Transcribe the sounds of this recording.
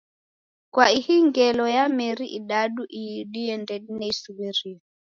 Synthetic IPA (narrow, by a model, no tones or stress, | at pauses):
kwaihiŋɡɛlɔjamɛɾiʔiɗaɗuʔijiɗijɛndɛɗinɛisuwɛɾia